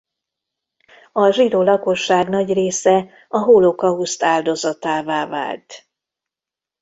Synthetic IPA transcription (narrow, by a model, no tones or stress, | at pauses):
ɒʒid̪oːlɒko̞ʃːaːɡnɒɟreːsɛ | ɒɦolokɒust̪aːld̪o̞zɒt̪aːvaːva̰ːlt̪